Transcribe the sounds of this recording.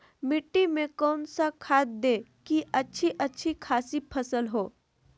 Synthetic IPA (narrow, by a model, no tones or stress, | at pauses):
mɪʈːimẽkɔːnsakʰaːt̪̚d̪ẽːkiʔɐtːʃʰiʔɐtːʃʰikʰaːsipʰɐsəlɦoː